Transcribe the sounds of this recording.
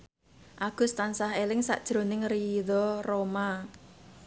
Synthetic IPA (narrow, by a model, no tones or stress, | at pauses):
ʔaɡ̥ʊ̤st̪ansaɦelɪŋsa̰ʔd̥ʒ̥ɾo̤nɪŋriðɔroma